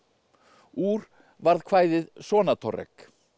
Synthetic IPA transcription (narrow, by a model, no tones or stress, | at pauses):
uːɾ | vaɾðkʰvaːjðɪðsɔːnat̪ʰɔrɛ̰k